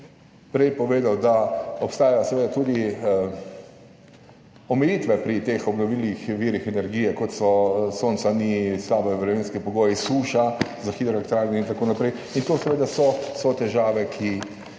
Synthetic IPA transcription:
pɾɛjpɔʋeːd̪awd̪aɔpst̪aːjajosɛʋeːd̪at̪uːd̪i | ɔmɛjiːt̪ʋɛpɾit̪exɔbnɔʋilixʋiːɾixɛnɛɾɡijɛkɔt̪sɔsoːnt̪sanislaːbɛʋɾɛʋenskipɔɡoːjisuːʃazaxid̪ɾɔlɛkt̪ɾaːɾnɔint̪akoːnapɾɛj | int̪oːsɛʋeːd̪asɔsɔt̪ɛʒaːʋɛkʰi

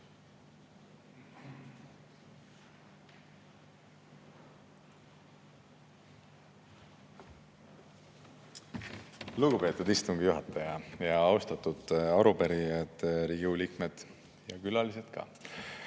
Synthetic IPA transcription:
luɡupe̞t̪ːud̪ist̪uŋɡ̥ijuɦɑt̪ːˑɑjɑjɑɑwst̪ɑt̪ːud̪̥ɑɾupæɾiɑd̪̥ɾiɡulikmed̪̥ | jɑkylɑlise̞t̪kɑ̰

